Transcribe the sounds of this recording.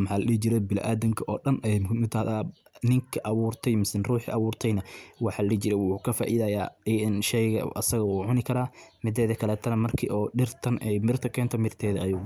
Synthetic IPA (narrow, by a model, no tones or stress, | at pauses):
mħɑːlɐɗit͡ʃɪɾɛbɪl̰ʔaːðɐŋkʰɐʔɔːɗɐnɛmɪt̪ʰɐhðaː | nɪŋkʰɐʔɐβuːrt̪ʰɛjmɪsɪnruːħḭːʔɐβuːrt̪ʰɛjnɐwɑħɑːlɐlɐt͡ʃɪɾɛwkʰɐfa̰ːʔɪðɐːjaːɛɪnʃɛjɣɐ̰ʔɐ̰sɐɣɐuʕʊnɪkʰɐɾaːmɪd̪ɛːðɐkʰɐlɛːt̪ʰɐnɐmɐrkʰḭːʔɔːɗɪrt̪ʰɐnɛjmɪrt̪ʰɐkʰɛːnt̪ʰɔmɪrt̪ʰɛːðɐʔɐjʊː